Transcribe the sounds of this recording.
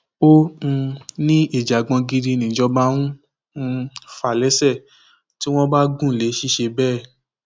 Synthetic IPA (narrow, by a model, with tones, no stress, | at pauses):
õ˦˧ | nĩ˦i˦˨d͡ʒa˨ɡ͡bɔ̃˧ɡi˧di˧nĩ˨d͡ʒɔ˧ba˧˦ɾ̃ũ˦˧ | fa˨lɛ˨˦sɛ˦˨ | ti˦w̃ɔ̃˦ba˦ɡũ˦˨le˨˦ʃi˦˨ʃe˧bɛː˦˨